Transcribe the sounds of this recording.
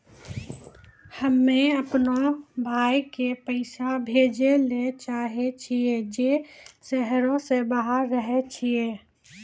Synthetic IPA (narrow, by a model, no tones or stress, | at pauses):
həmːẽəpnobʱaːikepəɪsabʱeːd͡ʒelet͡ʃaːɦet͡ʃʰied͡ʒesɛɦɾõsebəɦaɾːəɦet͡ʃʰieː